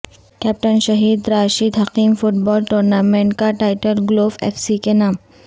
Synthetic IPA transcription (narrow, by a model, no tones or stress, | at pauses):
kɛːp̚ʈənʃɐɦiːd̪ɾaːʃid̪ɦɐqiːmfʊʈbɔːlʈuːɾnaːmẽɳʈkaʈaːɪʈəlɡloːfḛːfsikenaːm